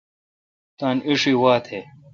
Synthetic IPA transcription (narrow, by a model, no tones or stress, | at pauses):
t̪aːniʂiːwaːt̪ʰeː